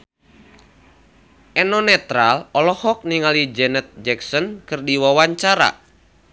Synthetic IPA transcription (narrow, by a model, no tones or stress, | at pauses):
ʔɛnɔnɛt̪ɾalɔlɔhɔk̚niŋalid͡ʒɛnɛt̪̚d͡ʒɛksɔnkɨrdiwawaɲt͡ʃaɾa̰